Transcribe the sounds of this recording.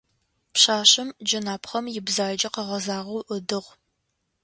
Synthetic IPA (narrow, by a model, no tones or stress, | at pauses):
pɕaːɕɪmd͡ʒɐnaːpχɐmjɪbzaːd͡ʒɐqəʁɐzaːʁɐwʔʊdɨʁʷ